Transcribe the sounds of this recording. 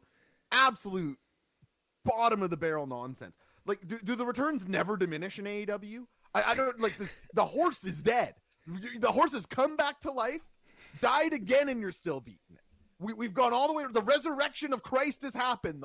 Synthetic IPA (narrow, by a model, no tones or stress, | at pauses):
æbsəlʉt̚ | b̥ɑɾɨ̃mʌvðəbɛɹl̩ˠnɑ̰̃nsɛ̰̃ns | laɪk̚d̥ɨdɨðəɹɨtʰɜ̃˞nznɛvə˞dɨmɪ̃nɨʃɨ̃neɪɾʌbl̩ˠjʉ | aɪʔaɪɾõnlaɪk̚ðɨðəhɔɹsɨzdɛd̥̚ | jðəhɔɹs̬ɨz̥kʰʌ̃mbæk̚tʰəlaɪf | d̥aɪɾɨɡɛ̃nɨ̃njə˞stɪlˠbḭʔn̩ | wiwivɡɔ̃ñɔlˠðəweɪðəɹɛzə˞ɛkʃɨ̃nʌv̥kʰɹ̥aɪst̚hɨz̥hæpɨ̃n